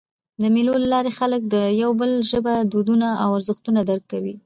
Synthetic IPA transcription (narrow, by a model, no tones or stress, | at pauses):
d̪əmilolalɑɾexalək̚d̪əjawbəlʒəbad̪od̪unaawaɾzəxt̪unad̪aɾkːawi